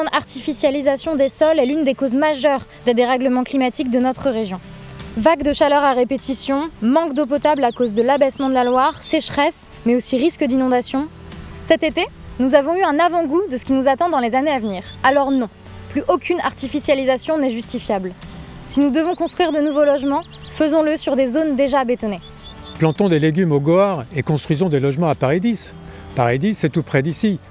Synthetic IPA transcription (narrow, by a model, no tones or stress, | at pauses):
ɑ̃aʁt̪ifisjalizasjɔ̃d̪esɔlɛlynd̪ekozmaʒœʁ | d̪ed̪eʁɛɡləmɑ̃klimat̪ik̚d̪ənɔt̪χəʁeʒjɔ̃ | vaɡd̪əʃalœʁaʁepet̪ʰisjɔ̃mɑ̃kd̪op̬ɔt̪ablakozd̪əlabɛsmɑ̃d̪əlalwaʁsɛʃχɛs | mɛosiʁiskd̪inɔ̃d̪asjɔ̃ | sɛt̪et̪e | nuzavɔ̃yɛ̃navɑ̃ɡud̪əsə̥kʲinuzat̪ɑ̃d̪ɑ̃lezaneavniːʁalɔʁnɔ̃ | plyʔokʲyna̰ʁt̪ifisjalizasjɔ̃nɛʒyst̪ifjabl | sinud̪əvɔ̃kɔ̃st̪χɥiʁd̪ənuvolɔʒmɑ̃ | fəzɔ̃ləsyʁd̪ezond̪eʒaːbet̪ɔne | plɑ̃t̪ɔ̃d̪eleɡʲymoɡɔaʁekɔ̃st̪χɥizɔ̃d̪elɔʒmɑ̃apaʁed̪is | paʁed̪isɛt̪upχɛd̪isi